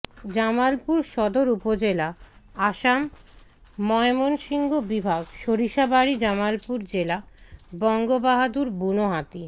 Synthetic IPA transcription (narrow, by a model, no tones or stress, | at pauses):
d͡ʑamalpuɾʃɔd̪oɾupod͡ʑelaaʃamː | ɔemonʃiŋɡobibʱaɡʃoɾiʃabaɽid͡ʑamalpuɾd͡ʑelabɔŋɡobaɦad̪uɾbunoɦat̪i